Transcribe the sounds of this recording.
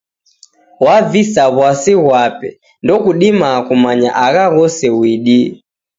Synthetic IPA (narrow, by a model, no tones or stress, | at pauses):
wavisaβwasiɣwapɛ̰ | ndɔkuɗimakumaɲa̰ʔaɣaɣɔsɛwiɗi